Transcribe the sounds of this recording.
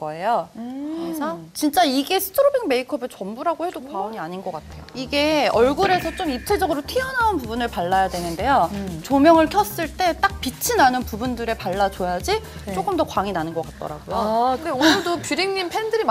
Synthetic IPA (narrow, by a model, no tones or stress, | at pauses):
ɡʌe̞joɯisʰʌt͡ɕint͡ɕ͈aiɡe̞sʰɯ̥tʰɯɾobiŋme̞ikʰʌbɯɭt͡ɕʌmbuɾaɡohe̞dokwaʌɲiaɲinɡʌk͈atʰe̞joiɡe̞ʌɭɡuɾe̞sʰʌt͡ɕ͈omip̚tʰed͡ʑʌɡɯɾotʰiʌnaunpubunɯɭpaɭːajadwe̞nɯnde̞jot͡ɕomjʌŋɯɭkʰjʌs͈ɯɭt͈e̞t͈ak̚pit͡ɕʰinanɯnpubundɯɾe̞paɭːat͡ɕojad͡ʑi | t͡ɕ͈ok͈ɯmdʌkwaŋinanɯnɡʌk͈at̚t͈ʌ̰ɾa̰ɡojoonɯɭdopiɾiŋɲimpʰe̞ndɯɾi